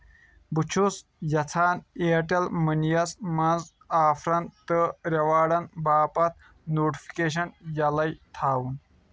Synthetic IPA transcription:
but͡ʃʰusjɐt͡sʰaːneːʈɐlmɨnijɐsmɐnz | aːfʰɾɐnt̪ɨɾɐʋaːɽɐnbaːpɐt̪̚ʰ | noːʈifʰi̥keːʃ̬ɐnjɐlɐjt̪ʰaːwun

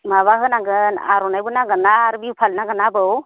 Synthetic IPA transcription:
maβaɦɯnaŋɡɯna̰ɾɔnajbɯnaŋɡɯnaɾbiwpʰalnaŋɡɯnabɯw

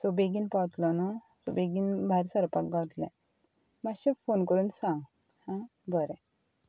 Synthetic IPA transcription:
sɔbeɡinpat̪lɔnɔ | sɔbeɡinbʱaɾsəɾpakɡat̪lɛ̃ | maɕɔfonkəɾuːnsãŋɡ | hã | bəɾɛ̃

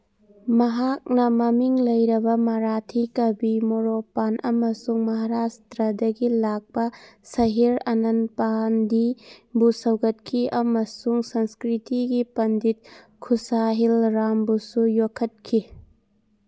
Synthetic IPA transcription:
mɐɦak̚nɐmɐmiŋlɐjɾɐbɐmɐɾatʰikɐbimoɾopanʔɐmɐsuŋmɐɦaɾastɾɐdɐɡilak̚pɐsɐɦiɾɐnɐnpandibusɐwɡɐt̚kʰiɐmɐsuŋsɐnskɾitiɡipɐndit̚ | kʰusaɦilɾambusujokʰːɐt̚kʰi

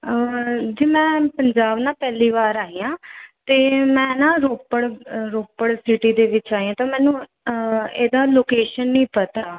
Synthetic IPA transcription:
d͡ʒeːmɛ̃ːpəɲd͡ʒaːbnãːpɛːliːʋaːɾaːiːjãːt̪eːmɛ̃ːnãːɾoːpəɽɾoːpəɽsɪʈiːd̪eːʋɪt͡ʃaːiãːt̪ãːmɛ̃ːnũː | eːd̪aːloːkeːʃənːĩːpət̪aː

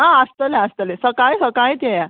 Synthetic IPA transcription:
ɦãəst̪əleast̪əlesəkajsəkajt̪jeja

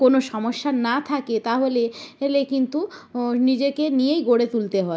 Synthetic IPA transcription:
konoʃɔmoʃːanat̪ʰaket̪aɦoleelekint̪unid͡ʑekenijejɡoɽet̪ult̪eɦɔe

